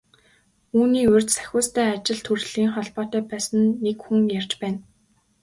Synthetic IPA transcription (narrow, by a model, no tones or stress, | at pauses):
uːniːɵrʲt͡ɕ̪sæ̥xʲʊːst̪æːat͡ɕɪ̆ɮt̪ʰurɮiːŋχɔɮpɔːt̪œːpæːsə̆nːekxuŋjart͡ɕpæːn